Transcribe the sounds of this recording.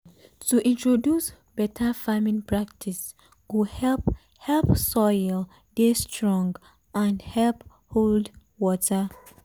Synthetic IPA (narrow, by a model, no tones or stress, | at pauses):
tuʔĩntɹodjus | b̥ɛtʰəfamĩnpɹak̚tʰis | ɡ̥uhɛlp | hɛlpsɔjl | destɹɔ̃ŋɡ | ãnhɛlp | hold | wɔtə